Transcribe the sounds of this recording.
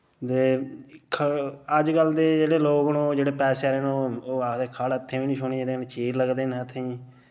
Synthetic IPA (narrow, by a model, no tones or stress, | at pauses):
t̪eːkʰəəd͡ʒkəld̪eːd͡ʒeːɽeːloːɡnoːd͡ʒeːɽeːpɛːseːɾeːnooːeːkʰaːɽt̪ʰːeːʋiːnĩːʃʊniːd̪eːnt͡ʃiːɾləɡd̪eːnət̪ʰːeiː